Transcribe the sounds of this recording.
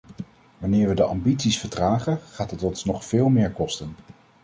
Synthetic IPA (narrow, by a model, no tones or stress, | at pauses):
ʋɑnɪːɹʋədəʔɑ̰mbitsisfəɹdraːχəχaːtɑtɔnsnɔχfeːlˠmɪːɹkɔstən